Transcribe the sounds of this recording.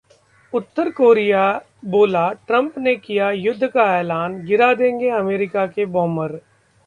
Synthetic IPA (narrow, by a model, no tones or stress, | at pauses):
ʊt̪ːəɾkoːɾija | boːlaʈɾɐ̃mpnekijajʊd̪ʱːkaɛːlaːnɡɪɾad̪ẽːŋɡeɐmeːɾɪkakebɔ̃ːməɾ